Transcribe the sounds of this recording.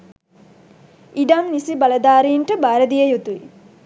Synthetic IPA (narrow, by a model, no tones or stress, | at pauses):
iɖamnisibaləd̪aːɾiɳʈəbaːɾəd̪ijəjut̪ui